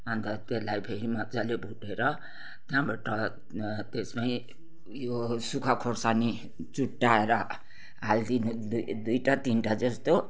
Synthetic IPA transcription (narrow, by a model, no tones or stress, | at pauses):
ʌnt̪ʌt̪elajpʰeɾimad͡zʌlebʱuʈeɾʌ | t̪jãbaʈʌ | t̪espaĩ | josukʰakʰorsani | t͡suʈːaeɾʌ | ɦald̪inod̪d̪ujʈat̪inʈad͡zʌst̪o